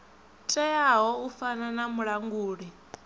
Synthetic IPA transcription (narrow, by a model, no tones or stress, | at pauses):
tʼɛjaɦɔufananamuɺaŋɡuːɺi